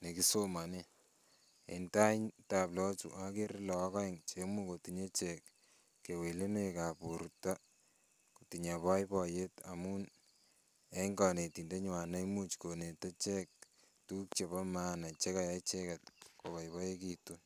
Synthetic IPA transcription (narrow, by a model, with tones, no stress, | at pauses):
ne˨ki˦so˦ma˨ni˦ | ḛ˨nta˦iɲta˨plɔ˦t͡ʃṵʔa˦ke˦ɾlɔ˨a˦kɔ˦i˨ŋt͡ʃe˦mu˦ko˨tiɲe˦t͡ʃekː | e˨we˨le˦ne˦ka˨pu˨ɾta˦ | ko˨ti˨ɲa˨pɔ˦jpɔ˨je˦ta˨mu˦n | e˦ŋɡɔ˨ne˨ti˨nde˦ɲwa˨na˦mu˦t͡ʃko˨ne˨te˦t͡ʃe˦k̚ | tu˦k̚t͡ʃe˨ba˦ma˦na˨t͡ʃe˦ka˦ja˦it͡ʃe˦kat̚ko˨βa˨jβɔ˦e˦kitu˦n